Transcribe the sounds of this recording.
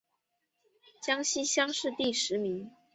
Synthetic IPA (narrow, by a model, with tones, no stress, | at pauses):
t͡ɕjɑ˥ŋɕi˥ɕjɑ˥ŋʂɻ̩˥˧t̪i˥˩ʂɻ̩˧˥mi˧˥ŋ